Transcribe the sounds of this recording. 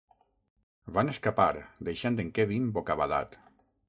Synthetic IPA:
βaneskapaɾd̪ejʃand̪eŋkɛβimbokaβaða̰t̪

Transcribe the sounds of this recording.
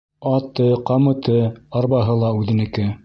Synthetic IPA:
ɑt̪ɤqɑmɤ̆t̪ʰɤɑɾβɑɦɤlˠɑʉðɘ̆nɘ̆kɘ

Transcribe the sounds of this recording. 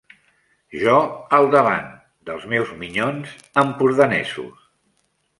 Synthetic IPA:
ʒɔəlˠd̪əβa̰n | d̪əlˠzmɛwzmiɲonz | əmpuɾðənɛzṵs

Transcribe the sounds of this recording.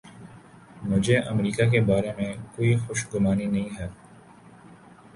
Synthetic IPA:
mʊd͡ʒʱeʔəmɾiːkak̬ebaːɾemẽkoːixʊʃɡʊmaːninɐɦĩɦɛː

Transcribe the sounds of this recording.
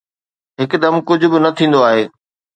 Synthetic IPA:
ɦɪkd̪ɐmkʊd͡ʑʱʊbɪnɐt̪ʰĩːn̆d̪oaːɦeː

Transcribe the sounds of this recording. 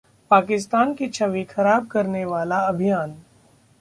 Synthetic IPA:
paːkɪs̬t̪aːnkit͡ʃʰɐʋixɐɾaːb̚kɐɾneʋaːlaɐbʱijaːn

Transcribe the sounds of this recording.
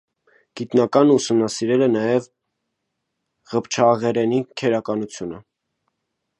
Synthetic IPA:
ɡ̥it̪nɑkɑnusumnɑsiɾɛlɛnɑjɛv | ʁəpt͡ʃʰɑʁɛɾɛnikʰɛɾɑkɑnut͡sʰjunə

